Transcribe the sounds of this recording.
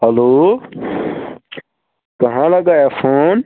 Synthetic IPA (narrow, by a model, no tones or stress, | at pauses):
ɦəloː | kɐɦãːlɐɠaːeːfʰoːn